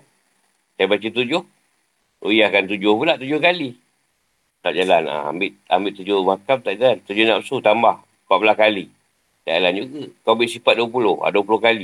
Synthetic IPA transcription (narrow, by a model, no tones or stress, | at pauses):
sajabat͡ʃət̪ud͡ʒʊh | ṵjiakant̪ud͡ʒʊhpulaʔt̪ud͡ʒʊhkali | t̪a̰ʔd͡ʒalana̰a̰mbɪʔa̰mbɪʔt̪ud͡ʒʊmakamt̪aʔd͡ʒalant̪ud͡ʒohnapsut̪ambah | paʔbulahkali | da̰ʔaland͡ʒuɡakawbiʔsipat̪̚duəpulʊha̰duəpulʊhkali